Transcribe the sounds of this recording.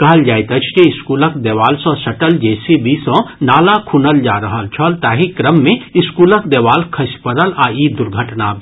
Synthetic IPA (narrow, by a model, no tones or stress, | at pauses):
kɐɦəld͡ʒaːjt̪ət͡ʃʰd͡ʒeɪskuːləkd̪eʋaːlsə̃sɐʈəld͡ʒeːsibisə̃naːlakʰunəld͡ʒa̰ːɾəɦəlt͡ʃʰəlt̪aːɦikɾəmːẽiskuːləkd̪eʋaːlkʰəspəɾəlaid̪uɾɡʱəʈna